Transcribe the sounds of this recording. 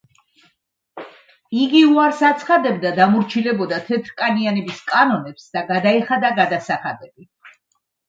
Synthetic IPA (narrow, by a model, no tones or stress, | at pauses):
iɡiuaɾsat̪sʰχad̪ɛb̚d̪ad̪amuɾt͡ʃʰilɛbɔd̪at̪ʰɛt̪ʰɾkʼanianɛbiskʼanɔnɛpsd̪̥aɡad̪aiχad̪aɡad̪asaχad̪ɛbi